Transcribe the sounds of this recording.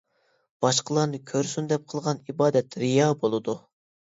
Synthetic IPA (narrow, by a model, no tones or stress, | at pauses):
b̥ɑʃqəlˠɑɾnɨkʲʰøɾsynd̪ɛp̚qʰəlˠʁɑnibɑːd̪ɛt̪ɾijɑbolˠɨd̪u